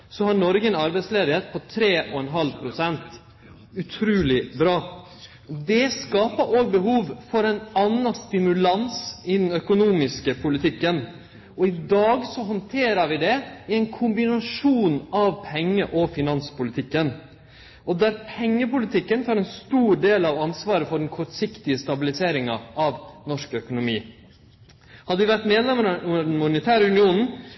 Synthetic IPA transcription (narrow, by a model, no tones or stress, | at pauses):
sɔhɑnɔɾɡənɑɾbɛɪt̪sleːd̪ɪheːt̪̚pʰɔt̪ʰɾeːʔɔɛnɦɑlpʰɾʊsɛnt̪ | ʉt̪ʰɾʉːlɪbɾɑː | d̪ɛskɑːpəɾʔoːɡ̚bəɦuːʋfɔɾɛɪnɑnːɑst̪ɪmʉlɑnsɪd̪ɛnœkʊnuːmɪskəpʰʊlɪt̪ʰɪkːən | ɔɪd̪ɑːɡsɔɦɔnt̪ʰeːɾəɾʋɪd̪ɛɪɛɪnkʰʊmbɪnɑʂuːnɑʋpʰɛŋːəʔɔfɪnɑnspʊlɪt̪ʰɪkːən | ɔd̪æːɾpʰɛŋːəpʊlɪt̪ʰɪkːənt̪ʰɑːɾɛnst̪uːɾɖ̪eːlɑʋɑnsʋɑːɾəfɔɖɛnkʰɔʈsɪkt̪ɪəst̪ɑbɪlɪseːɾɪŋɑɑʋnɔʂkœkʊnʊmiː | hɑd̪əʋɪʋæʈ̪meːd̪lɛmɾnmʊnət̪ʰæːɾəʉnɪuːnn̩